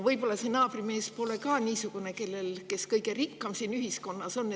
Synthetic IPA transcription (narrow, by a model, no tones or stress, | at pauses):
vɤjbo̞lːɑsenɑːb̥rime̞ːspo̞le̞kɑːniːsuɡ̥une̞ke̞lːe̞lke̞skɤjɡe̞rikːɑmsiːnyɦisko̞nːɑso̞nː